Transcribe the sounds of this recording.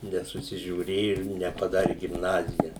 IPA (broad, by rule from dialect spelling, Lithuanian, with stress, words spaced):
nʲɛsʊsʲɪʒʲuːˈrʲeːjʊ ɪr nʲɛpɐˈdɑːrʲɪ ɡʲɪmˈnɑːzʲɪjɛ